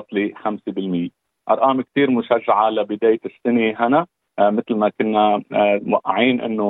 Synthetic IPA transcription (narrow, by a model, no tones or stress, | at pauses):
t̪ˤlixamsebɪlmɪjːe | ʔɑ̰ɾˤʔɑːmk̚t̪iːɾmʊʃaʒːaʕalabɪd̪aːjɪsːɪneɦana | mɪt̪lmakʊnːawaʔːaʕiːnʔɪ̰nːo